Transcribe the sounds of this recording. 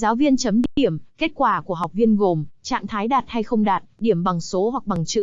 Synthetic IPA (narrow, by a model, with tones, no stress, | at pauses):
zaː˨˦wvi˧ənt͡ɕə˨˦mɗi˧ɗi˧˩əmke˦˥t̚kwaː˧˩ku˧˩əɦa˨˩wk͡p̚vi˧ənɣo˨˩mt͡ɕa̰ː˧˨ŋt̪ʰaː˨˦jɗaː˨˩t̚ha˧jxə˧wŋ͡mɗaː˨˩t̚ɗi˧˩əmɓa˨˩ŋso˨˦hwa˨˩k̚ɓa˨˩ŋt͡ɕɨ̰˧˥